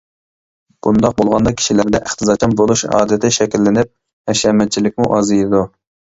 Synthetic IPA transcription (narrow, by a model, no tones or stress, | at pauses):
b̥und̪ɑq̚bolˠʁɑnd̪ɑkʲʰi̥ʃilɪɾd̪ɛʔɪχt̪ʰɨzɑt͡ʃʰɑmbolˠuʃɑ̰ːd̪ɪt̪ʰɪʃɛkʲilːɪnɪp̚ | ɛʃɛmɛt̪̚t͡ʃʰilɪkʲmuʔɑzɨjid̪u